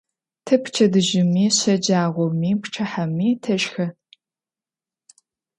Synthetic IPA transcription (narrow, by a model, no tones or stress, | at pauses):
tʰɨpʰt͡ʃʰɐdɨʒɪmiːɕɐd͡ʒaːʁʷɔmiːpʰʈ͡ʂʰɐħamiːtʰɐɕxɐ